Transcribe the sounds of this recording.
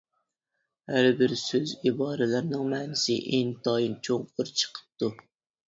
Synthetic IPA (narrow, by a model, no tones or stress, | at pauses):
hæɾbɪɾsøzibɑːɾɪlæɾnɨŋmɛːnɪsɪ̰ʔent̪ʰɑjint͡ʃʰoŋpʊɾt͡ʃʰə̥qʰə̥p̚t̪u